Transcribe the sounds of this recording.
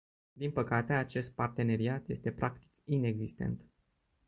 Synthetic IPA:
d̪inpəkat̪e̞at͡ʃe̞st̪̚part̪e̞ne̞ɾiat̪je̞st̪e̞pɾʔakt̪i̥kine̞ɡzist̪e̞̰nt̪

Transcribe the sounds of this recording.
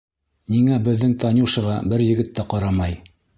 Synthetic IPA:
niŋæbɘ̆ðːɘŋt̪ɑnŭwʃɤ̆ʁɑ̰bɘɾjɘ̆ɡɘ̆t̪ːæqɑɾɑmɑj

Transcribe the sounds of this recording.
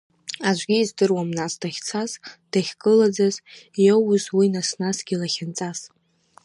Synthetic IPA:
aʒʷɡʲiːzdɨrwamnasd̥aχʲt͡sʰazd̥aχʲɡʼɨlad͡zazowzwinasnasɡʲilaχʲɪnt͡sʼas

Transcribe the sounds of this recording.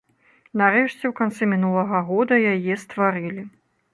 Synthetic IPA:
naɾɛʂt͡sʲɛwkant̪sɛmʲinulˠɐɣɐɣɔd̪ɐjajɛst̪vaɾɨlʲi

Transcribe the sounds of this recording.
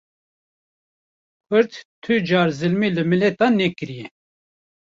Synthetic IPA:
kʰʊɾt̪t̪ʰɨd͡ʒɑːɾzɨlmiːlɨmɨlɛt̪ɑːnɛkɨɾijɛ

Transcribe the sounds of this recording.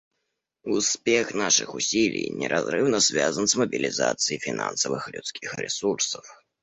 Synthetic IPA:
uspʲɛxnaʂɨxusʲilʲḭjnʲɛ̰ɾʔazɾɨwnɐz̥ʲvʲazɐnsmɐbʲilʲizat̪sɨjifʲina̰nsɐvɨxlʲut̪skʲixrɛsursɐw

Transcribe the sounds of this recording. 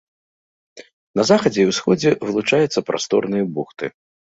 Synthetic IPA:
nɐzaxɐd͡zʲɛiwsxɔd͡zʲɛvɨlˠut͡ʂajut̪sːɐpɾʔa̰st̪ɔ̰rnɨjɐbuxt̪ɨ̰

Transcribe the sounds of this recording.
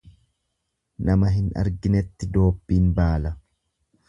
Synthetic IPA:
nɐmɐɦɪnɐ̰ɾɡɪnɛt̪ːɪd̪o̞ːbːiːnbaːlɐ

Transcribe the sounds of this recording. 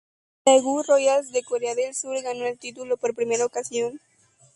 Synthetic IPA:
aɣurojals̬d̪ekoɾeaðelsuɾɣano̞elt̪it̪ulo̞po̞ɾpɾime̞ɾaokasjo̞n

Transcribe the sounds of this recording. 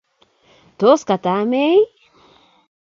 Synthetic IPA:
t̪oskat̪amej

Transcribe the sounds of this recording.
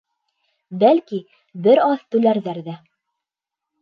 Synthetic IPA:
bælki | bɘɾɑðt̪ʉlæɾðæɾðæ

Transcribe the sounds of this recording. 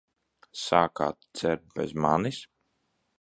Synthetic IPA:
saːka̰ːt̪t̪sɛɾt̪̚bɛ̰zmanis

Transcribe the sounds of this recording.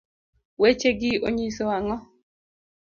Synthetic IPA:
wet͡ʃeɡɪo̰ɲisowaŋɔ

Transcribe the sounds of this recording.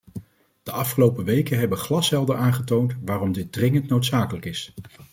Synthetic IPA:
d̥əʔɑfχəlowpəʋejkənɦɛbəχlɑsɦɛlˠdəaːnχətowntʋaːrɔmdɪt̚drɪŋəntnowtsaːkələkɪs

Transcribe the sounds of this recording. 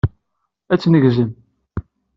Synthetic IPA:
æt͡sːnəʝzəm

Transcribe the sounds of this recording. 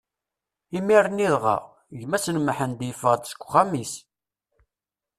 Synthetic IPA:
imiɾəniðʁɑ̰ | ʝmæsənməħənd̪jəfəʁd̪sə̥kʷːχæmis

